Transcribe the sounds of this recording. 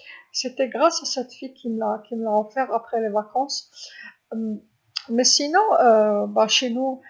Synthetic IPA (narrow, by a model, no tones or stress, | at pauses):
set̪ɛɡʁasasɛt̪fikʲʰiməlakʲiməlaɔfɛʁapχɛlevakɑ̃s | m | mɛsinɔ̃øbaʃenu